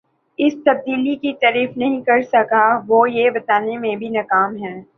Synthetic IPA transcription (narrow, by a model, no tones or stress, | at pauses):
ɪst̪ɐb̚d̪iːlikit̪ɐɾiːfnɐɦĩkɐɾsɐkaʋojebɐt̪aːnemẽbʱinɐkaːmɦɛː